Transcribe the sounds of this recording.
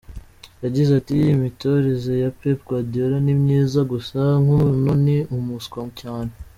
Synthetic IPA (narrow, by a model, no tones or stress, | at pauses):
jaɟizatijːmito̞ɾezejapepɡwadoɾanimɲiːzaɡusaŋunoniumuskomcaːne